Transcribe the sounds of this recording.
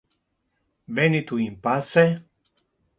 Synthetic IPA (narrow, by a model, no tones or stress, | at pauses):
venit̪uimpase